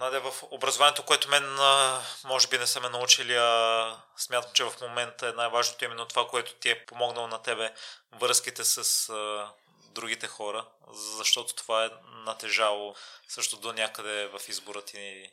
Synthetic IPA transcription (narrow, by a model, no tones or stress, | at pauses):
nad̪ɛvɐfobɾɐzovanijɛt̪okoɛt̪omɛnəmɔʒɛbinɛsɛmɛnɐut͡ʃiliɐ | smʲjat̪əmt͡ʃɛvɐfmomɛnt̪əɛnajvaʒnot̪oimɛnːot̪ovakoɛt̪o̥t̪iɛpomɔɡnəlˠonɐt̪ɛbɛvəɾskit̪ɛsɐsə | d̪ɾuɡ̟it̪ɛxɔɾə | zɐʃt̪ɔt̪o̥t̪ovaɛnɐt̪ɛʒalˠosɤʃt̪od̪onʲakəd̪ɛvɐfizboɾət̪i